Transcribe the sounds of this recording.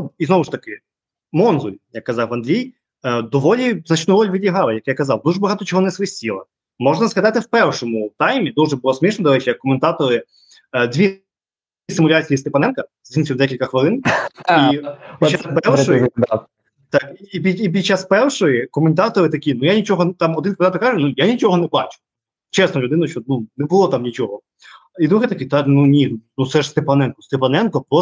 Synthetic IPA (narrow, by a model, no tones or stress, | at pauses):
izɔʋʊʃt̪ɐkɪ | mɔnzʊjʲjɐkːɐzɑwʋɐnd̪lʲij | d̪ɔʋɔlʲiznɐt͡ʃt̪nuɾɔlʲʋʲɪdʲlʲiɦɑlˠɐjɐkjakɐzɑwd̪uʐɛbɐɦɑt̪ɔt͡ʃɔɦɔnɛsʋɪsʲtʲilˠɐ | mɔʒnɐzɦɐd̪ɑt̪ɪwpɛrʂɔmʊt̪ajmʲid̪uʐɛbʊlˠɔsmʲiʃnɔd̪ɐɾɛt͡ʃɪjɐkːɔment̪ɑt̪ɔɾɪ | d̪ʲʋʲi | sɪmʊlʲat͡ssʲijist̪epɐnɛnkɐzʲinsʲiwd̪ɛkʲilʲkɐxʋɪlˠɪnipʲit͡ʃaspɛʃɔ | t̪ɑkiipʲiip̬ʲid̪̚t͡ʃːaspɛrʃɔjikɔment̪ɑt̪ɔɾɪt̪ɐkʲinujanʲit͡ʃɔɦɔt̪ɑmɔd̪ɪnkɔmnɑt̪ɔrkaʒʊnujanʲit͡ʃɔɦɔnɛbɑt͡ʃʊ̥ | t͡ʃɛsnɔlʲʊd̪ɪnɐʃɔnunebʊlˠɔt̪ɑmnʲit͡ʃɔɦɔ | id̪ɾuɦɛt̪ɐkʲit̪ɑknunʲinut̪sɛʒst̪epɐnɛnkɔst̪epɐnɛnkɔpɾɔ